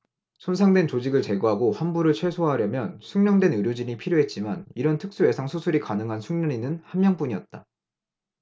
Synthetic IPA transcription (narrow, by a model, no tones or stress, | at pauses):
sʰonsʰaŋdwe̞nt͡ɕod͡ʑiɡɯɭt͡ɕe̞ɡoɦaɡoɸanbuɾɯɭt͡ɕʰwe̞sʰoɦaɾjʌmjʌnsʰuŋɲʌŋdwe̞nɯɾjod͡ʑiɲipʰiɾjoɦe̞t̚t͡ɕ͈imaniɾʌntʰɯk̚s͈ue̞sʰaŋsʰusʰuɾikanɯŋɦansʰuŋɲʌɲinɯnhammːjʌŋp͈uɲiʌt̚t͈a